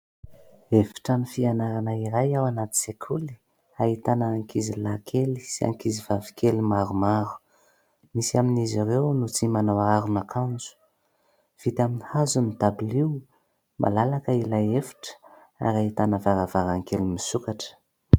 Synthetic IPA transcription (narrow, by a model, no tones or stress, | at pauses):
efi̥ʈ͡ʂamifianaɾanaiɾajawanat̪i̥sekʰuli̥ | aɦit̪anaːŋkizilakʰeli̥sia̰ŋkizivavi̥kelimaɾumaɾu̥ | misiaminiziɾewnut͡simanawaɾunakʰand͡zu̥ | v̥it̪aminihazunit̪abiliw | ma̰lalakəilajefi̥ʈ͡ʂə̥ | a̰ɾaɦit̪anəvaɾavaɾaŋkelimisukaʈ͡ʂə̥